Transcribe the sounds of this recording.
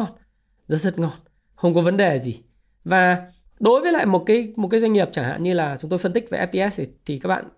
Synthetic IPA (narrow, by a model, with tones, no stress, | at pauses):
n | zə̰˧˥zə˦˥t̚ŋɔ˧n | xə˧wŋ͡mkɔ˨˦və˨˦nɗe˨˩zi˨˩ | vaː˨˩ | ɗo˨˦jvəː˨˦la̰ː˧˨jmo˨˩t̚kaː˨˦jm˨˩t̚kaː˨˦za˧ŋi˨˩əp̚t͡ɕaː˧˩ŋha̰ː˧˨nɲɨ˧laː˨˩t͡ɕʊ˨˦ŋ͡mt̪o˧fə˧nt̪ï˦˥k̚va˨˩ʔɛ˦˥p̚t̪i˧ɛ˦˥st̪ʰi˨kaː˦˥k̚ɓa̰ː˧˨